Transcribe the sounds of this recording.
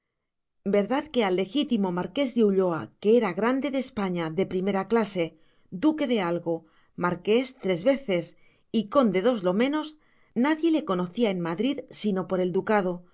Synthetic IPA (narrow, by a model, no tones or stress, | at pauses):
be̞ɾðaðke̞alːe̞xit̪imo̞maɾke̞zðeuʎo̞a̰ke̞eɾaɣɾand̪e̞ðespaɲaðe̞pɾime̞ɾaklase̞ | d̪uke̞ðe̞alɣo̞ | maɾke̞st̪ɾe̞zβe̞θe̞s | iko̞nd̪e̞ð̞o̞zlo̞mẽ̞no̞z | naðje̞le̞ko̞no̞θiae̞nmaðɾiðsino̞po̞ɾe̞ld̪ukað̞o̞